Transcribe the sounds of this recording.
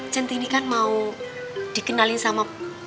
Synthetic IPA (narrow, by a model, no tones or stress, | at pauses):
t͡ʃənt̪inikanmau | d̪̥i̤kənalɪnsama